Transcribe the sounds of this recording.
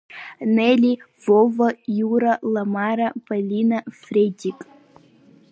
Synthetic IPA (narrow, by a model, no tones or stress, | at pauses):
nelʲi | vovɐjuɾɐlˠɐmaɾɐpʰɐlʲinɐfrʲedʲikʼ